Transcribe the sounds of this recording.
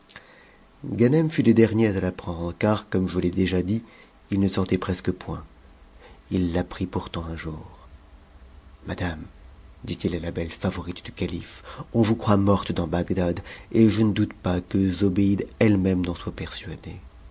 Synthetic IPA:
ɡanɛmfyled̪ɛʁnjeat̪alapχɑ̃d̪ʁəkaʁkɔmʒəlɛd̪eʒad̪i | ilnəsɔʁt̪ɛpχɛskəpwɛ̃ | ilːapχipuʁt̪ɑ̃ɛ̃ʒuːʁ | mad̪amd̪it̪ilalabɛlfavɔʁit̪d̪̥ykalifɔ̃vukχwamɔʁt̪d̪ɑ̃baɡd̪ad̪eʒənəd̪ut̪pakəzɔbeid̪ɛlmɛmnɑ̃swapɛʁsɥad̪e

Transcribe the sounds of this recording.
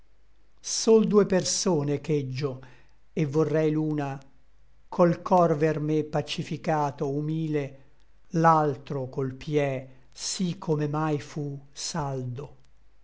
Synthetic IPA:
sold̪uːepersoːneked͡ʒːo | evːorːɛjluːna | kʰolkʰɔrvermepːat͡ʃifikaːt̪oumiːle | lalt̪ɾokolpʰjɛ | sikʰːomemajfusald̪o

